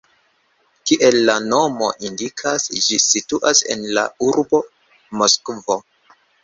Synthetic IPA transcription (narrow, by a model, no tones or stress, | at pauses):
kiʔe̞lːano̞mo̞̰ʔindikʰasd͡ʒisituʔase̞̰nla̰uɾbo̞ | moskvo̞